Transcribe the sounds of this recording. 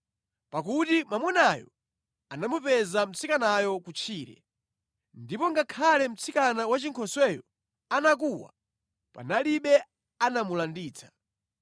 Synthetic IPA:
pakutimamwɛnaːjɔ̰ | anamupɛzam̩t͡sʰikanajɔkut͡ʃʰiːɾɛ̰ | ndipɔŋɡakʰalɛm̩t͡sʰikanawat͡ʃiŋkʰɔswɛːjɔ | anak̬uwa̰ | pa̰naliɓɛ | anamulandiːt͡sʰḁ

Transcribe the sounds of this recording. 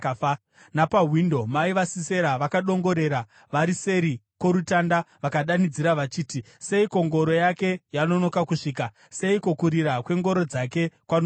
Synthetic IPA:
napaɦwindo̞maiʋasise̞ɾaʋakaɗo̞ŋɡo̞ɾe̞ɾa | ʋaɾise̞ɾikwo̞ɾutandaʋakaɗanid͡ziɾaʋat͡ʃiːti | se̞iko̞ŋɡo̞ɾo̞jake̞jano̞no̞kakuʂiːk̬a | se̞ikokuɾiɾakwe̞ŋɡo̞ɾo̞d͡zake̞kwano

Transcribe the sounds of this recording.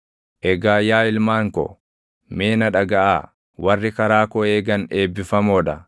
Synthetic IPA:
ʔɛɡaːjaːɪlmaːŋkɔ̰ | me̞ːnɐᶑɐɡɐʔa̰ː | wɐrːɪkɐɾaːkɔeːɡɐneːbːɪfɐmɔᶑɐ̰

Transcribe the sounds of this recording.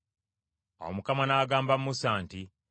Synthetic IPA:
a̰wo̰mukamanaːɡaːmbamːusaːnti

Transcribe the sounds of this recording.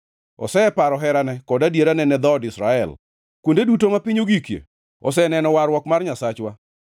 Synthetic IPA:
ɔ̰sɛɛpaɾɔɦɛɾanɛkɔdadjeɾanɛnɛd̪ɔɔdɪsɾaɛ̰l | kwondedutomapiɲoɡikjḛ | ɔsɛnɛnɔwaɾwɔkmarɲasat͡ʃwa

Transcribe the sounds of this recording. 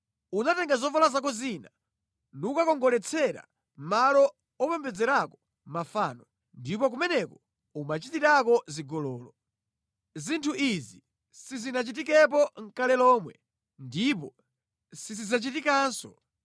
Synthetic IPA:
unatɛŋɡazɔfalazak̬ɔzina | nuukakɔŋɡɔlɛt͡sʰɛɾa̰ | malɔ | ɔpɛmbɛd͡zɛɾakɔ | mafaːnɔ | ndipɔk̬umɛnɛkɔ | umat͡ʃitiɾakɔziɡɔlɔːlɔ | zintʰuʔizi | sizinat͡ʃitikɛp̬ɔŋ̩kalɛlɔːmwɛ | ndipɔ | sizizat͡ʃitikaːnsɔ

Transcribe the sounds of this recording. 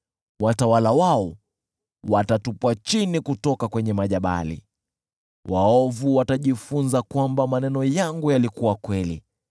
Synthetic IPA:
watawalawaɔ | watatupuat͡ʃinikutɔkakwɛɲɛmaʄaɓa̰lḭ | waɔvuwataʄifunzakwambamanɛnɔjaŋɡujalikuwakwɛli

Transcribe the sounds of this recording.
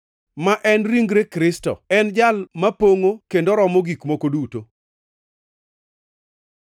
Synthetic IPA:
maʔɛnɾiŋɡɾekɾɪstɔ̰ɛnd͡ʒalmapoŋokendoɾɔmɔɡikmokoduto

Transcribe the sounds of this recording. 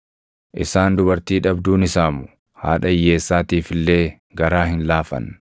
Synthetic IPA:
ʔɪsaːnd̪ʊbɐɾt̪iːᶑɐbd̪uːnɪsaːmʊ̥ | ha̰ːᶑɐjːe̞ːsːaːt̪iːfɪlːeː | ɡɐɾaːhɪnlaːfɐ̰n

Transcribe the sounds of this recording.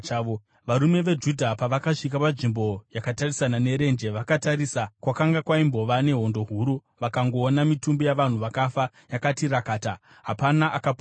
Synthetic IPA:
ʋaɾume̞ʋe̞d͡ʒudʱapaʋakaʂik̬apaʐimbo̞jakatarisanane̞ɾe̞nd͡ʒe̞ʋakataɾisakwakaŋɡakwaimbo̞ʋane̞ɦo̞ndo̞ɦuɾu | ʋakaŋɡo̞ːnamitumbijaʋan̤uʋakafa | jakatirakaːta | ɦapanaʔakap

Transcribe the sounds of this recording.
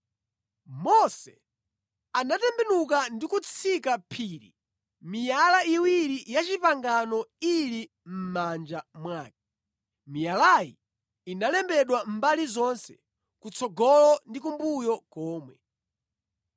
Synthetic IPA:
mɔsɛ̰ | anatɛmbɛnukandikut͡sʰikapʰiːɾḭ | mijalaiwiɾijat͡ʃipaŋɡanɔili | m̩mand͡ʒamwaːk̚i̥ | mijalajḭː | nalɛmbɛɗwam̩balizɔnsɛ̰ | kut͡sʰɔɡɔlɔndik̬umbujɔkɔːmwɛ

